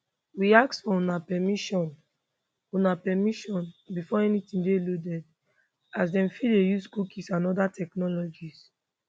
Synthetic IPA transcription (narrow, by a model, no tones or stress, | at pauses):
wiaksfɔõnapɛmiʃɔ̃n | onapɛmiʃɔ̃nbifɔɛnitĩndeludɛd | as̬dɛ̃mfidejuskukʰisãnɔdatʰɛknɔlɔd͡ʒis